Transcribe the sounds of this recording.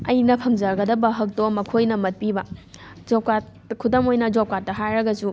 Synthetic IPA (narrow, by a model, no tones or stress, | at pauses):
ɐjnɐpʰɐŋzɐɾɡɐdɐbɐɦɐk̚tomɐkʰojnɐmɐt̚pibɐ | d͡ʒop̚kat | kʰudɐmojnɐd͡ʒop̚kat̚ːɐɦajɾɐɡɐsu